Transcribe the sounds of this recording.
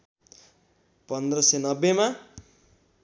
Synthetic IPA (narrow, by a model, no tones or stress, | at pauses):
pʌnd̪rʌsenʌbːema